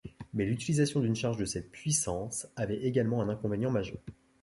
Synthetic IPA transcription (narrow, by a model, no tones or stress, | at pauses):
mɛlyt̪ilizasjɔ̃d̪ynʃaʁʒd̪əsɛt̪̚pɥisɑ̃savɛʔeɡalmɑ̃ɛ̃nɛ̃kɔ̃venjɑ̃maʒœʁ